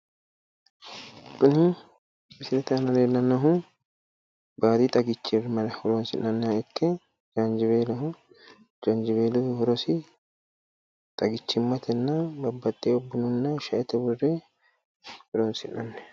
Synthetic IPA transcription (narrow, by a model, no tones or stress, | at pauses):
kːʊni | mɪsɪɾɛt̪ɐnɐleːlːɐnːɐɦʊ | baːd̪it̪ʼɐɡɪt͡ʃːɪrmɐlɐhʊɾoːnsɪnːɐnːɛɛkːɛ | d͡ʒand͡ʒɪβeːlɐɦʊ | d͡ʒand͡ʒɪbeːluhʊɾɔsɪ | t̪ʼɐɡɪt͡ʃːɪmːɐt̪ʰɛnːɐbɐbːɐt̪ʼːeɔbːɪnʊnːɐʃɐʔɛt̪ɐbʊrːe | hʊɾoːnsɪnːɐnːɛ̥